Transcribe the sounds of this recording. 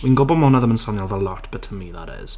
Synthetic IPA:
wĩnɡobɔmɔnəðə̃mə̃nsɔnjalˠðəlɔtb̥ətʰəmiðə̰ɾɪ̰z̥

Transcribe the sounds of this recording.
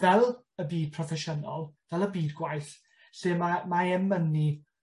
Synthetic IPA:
vɛlˠ | əbiːd̥̚pʰrɔfɛʃənɔlˠvɛlˠəbiːdɡwajθ | ɬɨmamaɛmːəni

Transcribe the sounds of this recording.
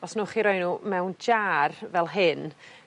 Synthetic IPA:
ɔsnuːχiɾɔjnuːmɛwnd͡ʒaːrvɛlˠɦɪn

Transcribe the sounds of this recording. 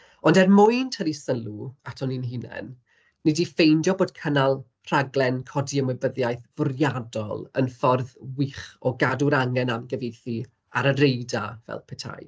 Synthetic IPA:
ɔndɛrmʊjntʰəɾisəlˠuatʰɔninɦɪnɛ̰n | nɨdifejndjɔboːd̥kʰənalˠ | r̥aɡlˠɛnkʰɔdiəmʊbəðjajθv̥ʊrjadɔ̰lˠə̰nfɔrðwɪχɔɡaduɾaŋɛnamɡəvejθi | aɾəɾejdavɛ̰lˠpʰɛtʰa̰j

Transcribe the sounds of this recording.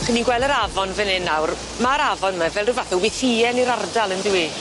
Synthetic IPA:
χəniɡwɛlˠəɾavɔnvɪnɪnawr | maɾavɔnmavɛlˠrɪvaθɔwɪθiɛniɾardalˠəndɪwi

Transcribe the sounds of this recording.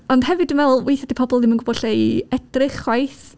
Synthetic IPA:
ɔnd̥hɛvɨdənvɛlˠwejθadipʰɔbɔlˠdɪmənɡʊbɔd̥ɬejɛd̥rɪχwajθ

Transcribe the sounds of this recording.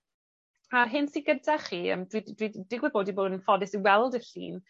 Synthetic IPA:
arɦɪnsiɡəndʰaχiːə̰ːmdwidwid̥ɪɡwɪboːdiboːdənfɔdɪsiwɛlˠdəɬḭːn

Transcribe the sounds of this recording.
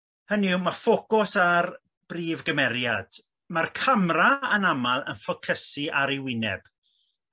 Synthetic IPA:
həniwmafokʊsar | b̥riːvɡəmɛɾjad̥ | markʰamraənamalˠə̰nfɔkʰəsiʔaɾiwɪnɛ̰b̥

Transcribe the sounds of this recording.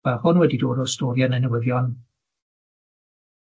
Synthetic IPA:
b̥aχɔnwɛdidoːdɔstoːɾjanənəwɪðjɔn

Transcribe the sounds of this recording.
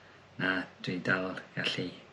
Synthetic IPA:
nad̥wɪdalˠɡaɬi

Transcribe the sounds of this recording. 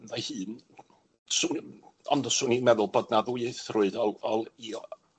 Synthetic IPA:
ðajhɨːn | sʊːnɔndɔsʊːnimɛðʊlˠboːdnaðuɨθrʊɨdɔlˠɔlˠi

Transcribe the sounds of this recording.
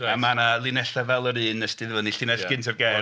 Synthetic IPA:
amanalˠɪnɛɬavɛlˠɔɾɨːnəstɨðvɔniɬɪnɛsɡɪntʰɔrɡɛː

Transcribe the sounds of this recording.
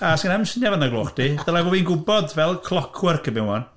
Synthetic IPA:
asɡənɛmsənjavanaɡloːχd̥id̥əlˠavɔːvinɡʊbɔdvɛlˠkʰlˠɔkʰwərkʰəbɪwɔn

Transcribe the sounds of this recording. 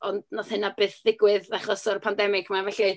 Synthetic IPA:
ɔndnɔðhɨnabɨːθðɪɡwɪðaχɔsɔrpʰandɛmɪkʰmavɛɬi

